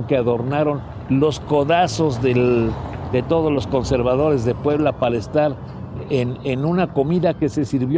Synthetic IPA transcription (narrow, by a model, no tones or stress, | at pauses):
ŋkeaðo̞ɾnaɾo̞n | lo̞sko̞ðaso̞zðeld̪e̞t̪o̞ðo̞zlo̞sko̞nse̞ɾβaðo̞ɾe̞zðe̞pwe̞βlapale̞st̪aɾ | enenunako̞miðake̞se̞siɾβjo